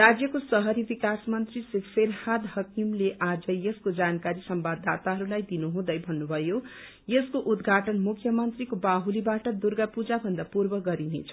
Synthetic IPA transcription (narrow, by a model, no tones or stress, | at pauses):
rad͡zjʌkosʌɦʌɾibikasmʌnt̪risekpeɾhad̪hʌkimleʔad͡zʌeskod͡zankaɾisʌmbad̪ːat̪aɦʌɾulajd̪inuɦũd̪ʌjbʱʌnːubʱʌjo | jeskoʔud̪ɡʱaʈʌnmukʰjʌmʌnt̪rikobaɦulibaʈʌd̪urɡapud͡zabʱʌnd̪apurbʌɡʌɾinḛt͡sʰʌ